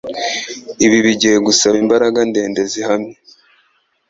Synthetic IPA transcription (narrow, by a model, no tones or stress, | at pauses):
iβiβiɟiheɡusaβiːmbaɾaɡande̞ːnde̞zihamɲe